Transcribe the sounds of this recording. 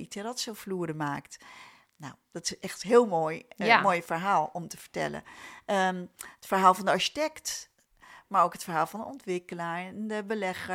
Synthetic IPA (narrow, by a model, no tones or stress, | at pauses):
itʰɛrɔtsofluəɾəmaːkt | na̰wd̥ɔtɪsʔɛxtɦɪːlˠmoːjmoːjfəɹɦaːlˠɔmtəfə̥ɹtɛ̰lə̰əətfəɹɦaːlˠfɔndəɑɹʃi̥tɛkt | maɹoːkɦətfərɦaːlˠfɔndəɔntʋɪkəlaɹndəbəlɛxə